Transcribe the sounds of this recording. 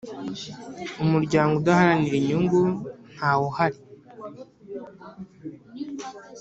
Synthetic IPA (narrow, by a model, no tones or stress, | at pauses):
umuɾɟaːŋɡoudahaɾaniɾiɲuŋɡun̥haːwohaɾi